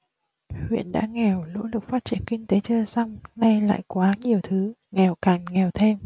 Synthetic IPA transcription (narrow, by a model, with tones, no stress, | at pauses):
hwḭ˧˨ənɗa̰ː˧˥ŋɛ˨˩wlo̰˧˥lɨ˨˩k̚faː˦˥t̚t͡ɕi˧˩ənkï˧ŋ̟t̪e˨˦t͡ɕəː˧˩sa˧wŋ͡mna˧jla̰ː˧˨jkwaː˨˦ɲi˨˩əwt̪ʰɨ˨˦ŋɛ˨˩wkaː˨˩ŋŋɛ˨˩wt̪ʰe˧m